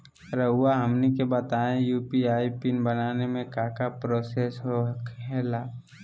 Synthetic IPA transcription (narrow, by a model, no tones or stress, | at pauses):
ɾəɦʊaɦɐmnikebɐt̪aːẽjuːpiaːipinbɐnaːnemẽkaːkapɾoːsesɦokɦɛːlaː